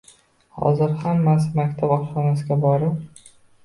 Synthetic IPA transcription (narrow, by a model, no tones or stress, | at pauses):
hɒ̰zɪɾhamːasɪmakʲt̪ʰapɒʃɒnasɪɡʲabɒɾɪp